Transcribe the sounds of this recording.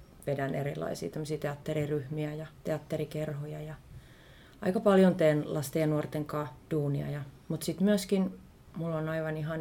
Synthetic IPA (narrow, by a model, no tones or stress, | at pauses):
ʋedænḛrilːˑɑ̰isḭːt̪æmːosiːt̪eɑt̪ːeriryhmiæjɑt̪eɑt̪ːerikerhojɑjɑ | ɑ̰ikɑpɑljont̪eːnlɑst̪ejɑnuort̪eŋkɑːd̥uːniɑ̰jɑmut̪sit̪myøskin | mulːonɑiʋɑniɦɑn